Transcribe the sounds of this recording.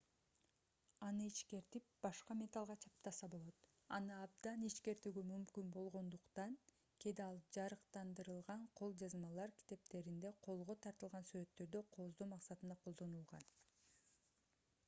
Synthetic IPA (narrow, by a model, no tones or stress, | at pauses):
ɑnɯiʃke̞ɾt̪ip̚b̥ɑʃqɑmʲe̞t̪ɑlˠʁɑt͡ʃʰɑp̚t̪ɑsɑbolˠo̞t̪ | ɑ̰nɯɑbd̪ɑniʃke̞ɾt̪yɡymymkynbo̞lˠʁo̞nd̪uqt̪ɑŋ | kʲʰe̞d̪ɑlˠd͡ʒɑɾɯqt̪ɑnd̪ɯɾɯlˠʁɑɴqʰo̞lˠd͡ʒɑzmɑlˠɑɾkʲʰi̥t̪e̞p̚t̪e̞ɾind̪e̞qʰo̞lˠʁo̞t̪ʰɑɾt̪ɯlˠʁɑnsyɾø̞t̪ːø̞ɾd̪øqʰo̞zd̪omɑqsɑt̪ɯnd̪ɑqʰolˠd̪o̞nulˠʁɑ̰n